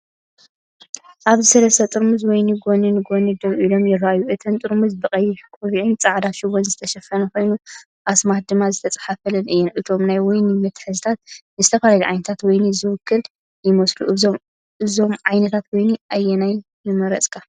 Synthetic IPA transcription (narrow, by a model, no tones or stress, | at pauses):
ʔaβzɨsɐlɐst̪ɐt̪ʼɨɾmɨzwɔjnɨɡoninɨɡonɨd̪oβʔilo̞mjɪraʔajuʔɨt̪ʰɐnt̪ʼɨɾmɨzbɨkʼɐjːɪħkʼuβiʕint͡sʼaʕd̪aʃɪwonzɨt̪ʰɐʃɐfɐnɐko̞jnu | ʔasmah̚d̪ɨmːazɨt̪ʰɐt͡sʼḁħafɐlɐnʔɨjːɛnʔɨt̪ʰo̞mnajwɔjnɨmɨt̪ħɨzɨt̪ʰat̪̚nɨzɨt̪ʰɐfalaliʕa̰jnɐt̪ʰat̪wɔjnɨzɨwʊkʰːɨl | jɪmoslṵʔɨzom | ʔɨzo̞mʕajnɐt̪ʰat̪wojniʔajːɛnaj | nɨmɐɾɐ̰t͡sʼkʰa